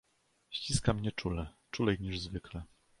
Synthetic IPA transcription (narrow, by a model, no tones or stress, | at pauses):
ɕt͡ɕiskamɲɛt͡ʂulɛt͡ʂulɛjɲiʐzvɘklɛ